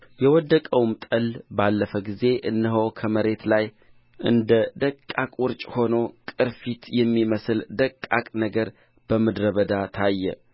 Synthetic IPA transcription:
jɛwɔd̪ːəkʼəwmt̪ʼəlbalːəfəɡize̞ʔɨnːəɦowkʰəməɾe̞t̪laj | ʔɨnd̪əd̪əkʼːakʼwʊɾt͡ʃʼho̞nokʼɨɾfit̪jɛmːiməsɨld̪əkʼːakʼnəɡəɾ | b̥əməd̪ɾəβəd̪at̪ʰajːɛ̰

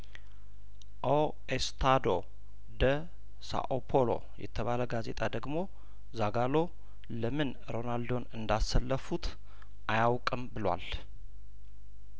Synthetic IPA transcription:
ʔo | est̪ʰad̪o | d̪ə | sa̰ʔopʰolo̞̰ | jɛ̰t̪ʰəβaləɡaze̞̰t̪ʼad̪əɡmo̞ | zaɡalo̞ | ləmɨn | ɾo̞nald̪o̞nɨnd̪asːəlːəfut̪ | ʔajawkʼɨmbɨlwa̰l

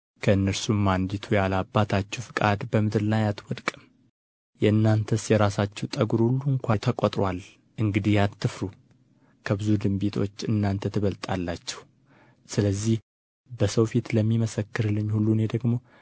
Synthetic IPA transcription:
kʰəɨnːəɾsumːand̪it̪ʰujalabːat̪ʰat͡ʃːɛwfɨkʼad̪bəmɨd̪ɨɾlajat̪wɔd̪kʼm | jɛɨnːant̪ʰəsjɛɾasat͡ʃːɛwt̪ʼəɡuɾhulːuŋkʷʰajt̪ʰəkʼot̪ʼɾwal | ʔɨŋɡɨd̪ihjat̪ʰːɨfɾu | kʰəbɨzud̪ɨmbit̪ʰo̞̰t͡ʃːɨnːant̪ʰət̪ʰɨβəlt̪ʼalːat͡ʃːɛ̥w | sɨləzːih | bəsəwfit̪ləmːiməsəkːɨɾlːɨɲːhulːuned̪əɡmo̞

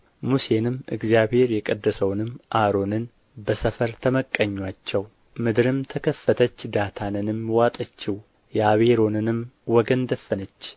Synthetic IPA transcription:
muse̞nɨmɨ̰ɡzijaβhe̞ɾjɛkʼəd̪ːəsəwnɨmʔaɾo̞nɨn | bəsəfəɾt̪ʰəməkʼːəɲːwat͡ʃːɛw | mɨd̪ɾɨmt̪ʰəkʰəfːət̪ʰət͡ʃːd̪at̪ʰanɨnɨmwat̪ʼət͡ʃːɪw | jɛaβeɾo̞nɨnɨmwɔɡənd̪əfːənət͡ʃː

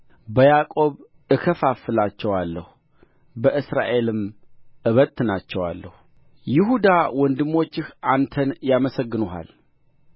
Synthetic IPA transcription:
bəjakʼo̞β | ʔɨkʰəfafɨlat͡ʃːɛwalːəhu | bəʔɨsɾa̰ʔe̞lɨmʔɨβət̪nat͡ʃːɛwa̰lːə̰hu | jɪɦud̪awɔnd̪ɨmːo̞t͡ʃːɪhʔant̪ʰənjaməsəɡːɨnuha̰l

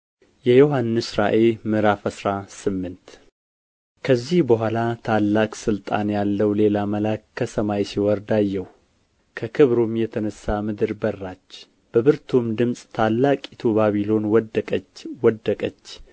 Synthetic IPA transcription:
jɛjoɦanːɨsɾaʔelmɨɾafəsɾasɨmːɨnt̪ | kʰəzːihbəɦʷalat̪ʰalːakʼsɨlt̪ʼanjalːəwle̞laməlakʰːəsəmajsiwɔɾd̪ajːɛw | kʰəkʰɨβɾumjɛt̪ʰənəsːamɨd̪ɨɾbərːat͡ʃː | b̥əβɨɾt̪ʰumd̪ɨmsʼt̪ʰalːakʼit̪ʰubaβilo̞nwɔd̪əkʼət͡ʃwɔd̪ːəkʼət͡ʃː

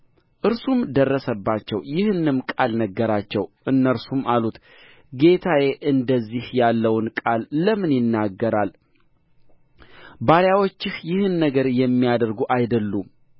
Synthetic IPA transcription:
ʔɨɾsumd̪ərːəsəbːat͡ʃːɛ̰wjɪhɨnːɨmkʼalnəɡːəɾat͡ʃːɛwʔɨnːəɾsumalut̪ | ɡe̞t̪ʰajeʔɨnd̪əzːihjalːəwnkʼalːəmɨnjɪnːaɡːəɾal | baɾjawot͡ʃːɪhjɪhɨnːəɡəɾjɛmːijad̪əɾɡuʔajd̪əlːum

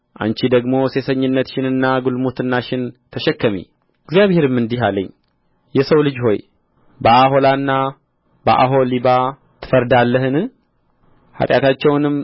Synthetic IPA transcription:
ʔa̰nt͡ʃid̪əɡmo̞se̞səɲːɨnːət̪ʃɪnɨnːaɡulmut̪ɨnːaʃɪnt̪ʰəʃɛkːəmḭ | ɨɡzjaβhe̞ɾɨmːɨnd̪iɦaləɲː | jɛsəwlɨd͡ʒho̞j | bəʔaɦo̞lanːa | bə̰ʔa̰ɦo̞liba | t̪ʰɨ̥fəɾd̪alːəhɨnɨ | ha̰t̪ʼjat̪ʰat͡ʃːɛwnɨm

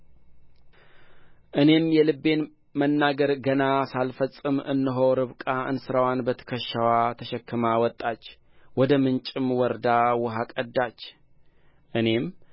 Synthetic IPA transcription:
ʔɨne̞mjɛlɨbːe̞n | mənːaɡəɾɡənasalfəsʼɨmɨ̰nːɨɦo̞ɾɨβkʼaʔɨ̰nsɨɾawanbət̪ʰə̥kʰəʃːawat̪ʰəʃɛkʰːɨmawɔt̪ʼːat͡ʃː | wɔd̪əmɨnt͡ʃʼɪmwɔɾd̪awʊɦakʼəd̪ːat͡ʃː | ʔɨne̞m

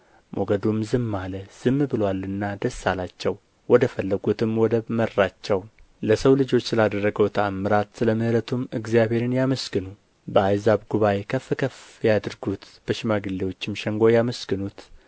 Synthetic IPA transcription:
mʔoɡəd̪umzɨmːaləz̥ɨmːbɨlwalɨnːad̪əsːalat͡ʃːɛw | wɔd̪əfəlːəɡut̪ʰɨmwɔd̪əmərːat͡ʃːɛw | ləsəwlɨd͡ʒo̞t͡ʃːsɨlad̪ərːəɡəwt̪ʰəamːɨɾat̪sɨləmɨhɾət̪ʰumɨɡzjaβhe̞ɾɨnjaməsɡɨnu | bəajzaβɡuβaekʰəfːɨkʰəfjad̪ɨɾɡut̪b̥əʃɪmaɡɨlːewot͡ʃːɪmʃɛŋɡo̞jaməsɡɨnut̪

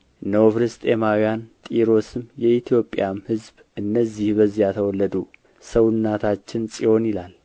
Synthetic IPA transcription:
ɨnəwofɨɾɨst̪ʼemawijant̪ʼiɾo̞sɨmjɛit̪ʰjo̞pʼjamhɨzb | ʔɨnːəzːihbəzːijat̪ʰəwɔlːəd̪u | səwʊnːat̪ʰat͡ʃːɪnsʼiho̞njɪlal

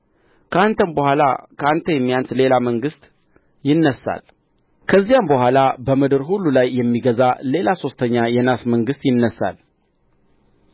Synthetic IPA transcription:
kʰant̪ʰənbəhʷalakʰəant̪ʰəjɛmːijansle̞laməŋɡɨst̪ | jɪnːəsa̰l | kʰəzːijambəɦʷwalabəmɨd̪ɨɾɦulːulajːɛmːiɡəzale̞laso̞st̪ʰəɲːajɛnasməŋɡɨst̪jɪnːəsːa̰l

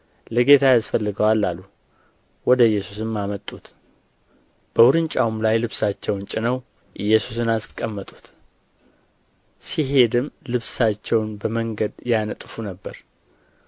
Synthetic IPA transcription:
ləɡe̞t̪ʰajasfəlːɨɡəwalːalːu | wɔd̪əɨjːɛsusɨmːamət̪ʼːut̪ | b̥əwʊɾɨnt͡ʃʼawumlajlɨβsat͡ʃːɛwnt͡ʃʼɪnəw | ʔɨjːɛsusɨnasɨkʼːəmːət̪ʼu̥t̪ | siɦe̞d̪ɨmlɨβsat͡ʃːɛwnbəməŋɡəd̪janət̪ʼfunəbːəɾ

